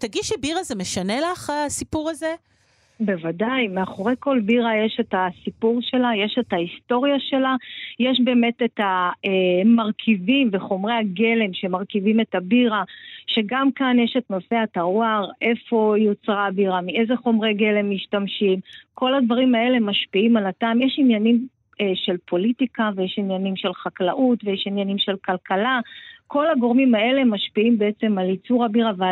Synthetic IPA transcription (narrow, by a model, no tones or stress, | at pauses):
t̪aɡidʃebiʁazemeʃanelaχasipuʁaze | be̞vadajmeaχo̞ʁe̞jko̞lbiʁajeʃe̞tasipuʁʃe̞laje̞ʃe̞thaisto̞ʁjaʃe̞lajeʃbe̞ːme̞tetaemaʁkʰivimve̞χo̞mʁe̞haɡe̞le̞mʃe̞maʁkivime̞tabiʁaʃe̞ɡamkanjeʃetnofeataʁwaʁe̞fo̞jo̞t͡sʁabiʁamie̞zeχo̞mʁeɡe̞le̞mːiʃtamʃimko̞lad̪vaʁima̞lemːaʃpiimalataːmjeʃinjanim | ʃe̞lpʰo̞litikavejeʃinjanimʃe̞lχaklaʔutvejeʃinjanimʃe̞lkʰalkalakʰo̞laɡo̞ʁmimae̞lemaʃpiimbeet͡se̞malit͡suʁabiʁavea